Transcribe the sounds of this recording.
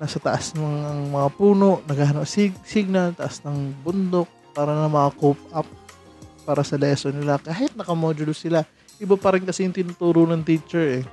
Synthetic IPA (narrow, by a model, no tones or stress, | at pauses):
nɐsɐt̪ɐʔasmoŋɐŋmɐŋapuːno̞ʔnɐɡaːɦɐnoʔsisiɡ̚nɐlt̪ɐʔasnɐŋbʊnd̪ok̚paːɾɐnɐŋmɐakop̚ʔap̚ | pːaːɾɐsɐlɛːsonɪlakaːɦɪt̪̚nɐkɐmoːd͡ʒʊlsɪla | ʔɪbapɐɾɪnkɐsijʊŋt̪ɪnʊt̪uːɾonɐŋt̪iːt͡ʃɛɹʔɛ